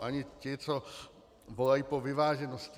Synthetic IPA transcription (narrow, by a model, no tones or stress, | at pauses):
ʔaɲɪcɪt͡so | volajipovɪvaːʒɛnosc